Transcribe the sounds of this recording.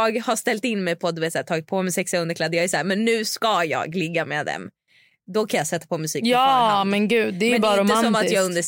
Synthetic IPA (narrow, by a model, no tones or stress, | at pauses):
ɑːɡhaʂt̪ɛlt̪ɪnːmɛjpʰɔd̪ɵveːt̪sæːʈtʰɑːɡɪt̪̚pʰɔmɛsɛksaɵnd̪əkʰlad̪ːjɑːɡɛsæːɾmɛnːʉ̟ːskajɑ̰ːɡlɪɡːamḛd̪ɛ̰m | d̪ɔkʰanjɑːsɛt̪ːapʰɔmɵsiːkɑmɛnɡʉ̟ːd̪ːɛmɛnbɑːɾaɾʊmasɔmat̪jɑːɡɵnd̪ə